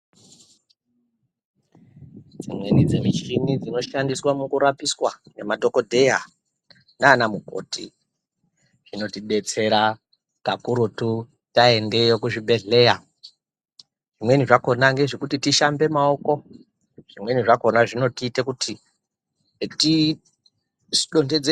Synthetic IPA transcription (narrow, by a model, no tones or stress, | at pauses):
d͡zimwe̞nid͡zemit͡ʃinid͡zino̞ʃandiswamukuɾapiswanemadʱo̞ko̞dʱe̞ja | naːnamuɡʱo̞̰ːtḭ | ʐ̥ino̞tiɗe̞t͡se̞ɾa | kakuɾotu | taende̞jokuʐibʱe̞ɮe̞ja | ʐ̥imwe̞niʐako̞naŋɡe̞ʐekutitiʃambe̞mao̞ko̞ | ʐ̥imwe̞niʐako̞naʐino̞tiːte̞kutʰi | ti | iɗo̞nde̞d͡ze